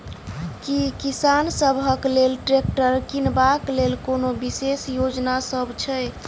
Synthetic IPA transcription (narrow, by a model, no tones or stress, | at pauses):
kikisansəbʱəklelʈɾek̚ʈəɾkinbaklelkonobisesjod͡ʒnasəbt͡ʃʰɛj